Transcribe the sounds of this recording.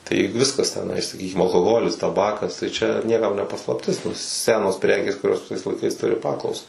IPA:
tɐɪ ˈʋʲɪskɐs tʲɛˈnɐɪ sɐˈkʲiːkʲɪm ɐlˠkoːˈɣoːlʲɪs tɐˈbɑːkɐs tɐɪ ˈt͡ʃʲɛ nʲiɛˈkɐm nʲɛ pɐslˠɐpʲˈtʲɪs ˈsʲæːnoːs ˈpʲrʲæːkʲeːs kʊˈrʲoːs ʋʲɪˈsɐɪs lˠɐɪˈkɐɪs ˈtʊrʲɪ ˈpɑːklˠɐʊsɐ

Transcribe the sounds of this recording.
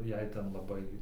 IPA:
ˈjɛɪ ˈtʲɛn lˠɐˈbɐɪ

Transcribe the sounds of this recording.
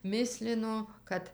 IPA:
ˈmʲɪsʲlʲɪnoː ˈkɐt

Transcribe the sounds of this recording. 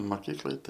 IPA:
mɐˈkʲiːklˠɐɪ ˈtɐɪ

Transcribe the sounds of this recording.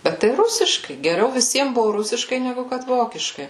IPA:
ˈbʲɛt tɐɪ ˈrʊsʲɪʃkɐɪ ɡʲɛˈrʲɛʊ ʋʲɪˈsʲiɛm ˈbʊʋʊ ˈrʊsʲɪʃkɐɪ nʲɛˈɡʊ ˈkɐt ˈʋoːkʲɪʃkɐɪ

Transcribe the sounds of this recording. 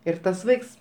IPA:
ɪr ˈtɐs ˈʋɐɪks

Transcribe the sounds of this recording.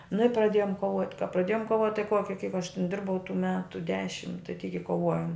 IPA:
nʊ ɪ prɐˈdʲeːjoːm koːˈʋoːtʲ kɐ prɐˈdʲeːjoːm koːˈʋoːtʲ tɐɪ ˈkoːkʲɪ kɐɪp ɐʃ tʲɪn ˈdʲɪrbɐʊ tuː ˈmʲæːtʊ ˈdʲæːʃʲɪm tɐɪ tʲiːk ɪ koːˈʋoːjoːm

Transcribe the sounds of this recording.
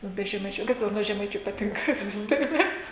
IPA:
ˈnʊ bʲɛ ʒʲɛˈmɐɪt͡ʃʲuː nʊ kɐɪp ˈsɑːkoːt ˈnʊ oː ʒʲɛˈmɐɪt͡ʃʲʊ pɐˈtʲɪŋkɐ tɐɪ ˈʋɐ

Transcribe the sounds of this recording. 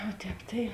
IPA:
oː ˈtʲɛːp tɐɪ

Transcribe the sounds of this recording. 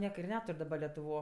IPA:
ˈnʲiɛkɐ ɪr ˈnʲæːtʊrʲ dɐˈbɐ lʲɛtʊˈʋoː

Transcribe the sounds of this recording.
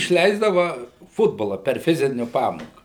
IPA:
ɪʃʲˈlʲɛɪzdɐʋɐ ˈfʊdboːlˠɐ pʲɛr ˈfʲɪzʲɪnʲʊ ˈpɑːmoːkɑː

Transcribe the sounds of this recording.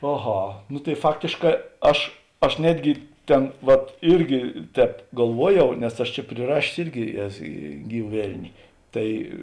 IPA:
ɐˈɣɐ nʊ tɐɪ ˈfɑːktʲeːʃˌkɑː ˈɐʃ ɐʃ ˈnʲæːdʲɡʲɪ ˈtʲɛn ʋɐt ˈɪrʲɡʲɪ ˈtʲɛːp ɡɐlˠˈʋuɔˌjɛʊ nʲɛs ˈɐʃ t͡ʃʲɛ pʲrʲɪˈrɑːʃʲeːs ˈɪrʲɡʲɪ ˈɛs ˈɡʲiːʋɐ ˈʋʲɛlʲnʲɪ ˈtɐɪ

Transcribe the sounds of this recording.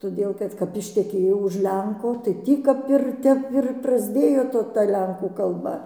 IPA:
toːˈdʲeːlˠ kɐt kɐp ɪʃʲtʲɛˈkʲeːjɛʊ ʊʃ ˈlʲɛŋkoː tɐɪ ˈtʲiː kɐp ɪr ˈtʲɛp ɪr prɐzʲˈdʲeːjoː ˈtoː tɐ ˈlʲɛŋkuː kɐlˠˈbɐ

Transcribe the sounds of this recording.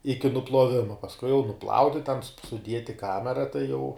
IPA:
ˈɪkʲɪ nʊplˠuɔˈʋʲɪmɐ pɐsˈkʊɪ jɛʊ nʊˈplˠɐʊnʲɪ tʲɛn sʊ sʊˈdʲiɛt ɪ ˈkɑːmʲɛrɐ tɐɪ jɛʊ

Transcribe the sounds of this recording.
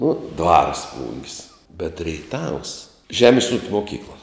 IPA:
ˈnʊ ˈdʋɐrs ˈplˠʊŋʲkʲsʲ bʲɛt rʲɛɪˈtɐws ˈʒʲæːmʲɪs uːkʲ moːˈkʲiːklˠɐ

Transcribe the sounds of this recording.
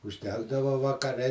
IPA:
ʊʒʲˈdʲæːɡdɐʋɐ ʋɐkɐˈrʲɛ

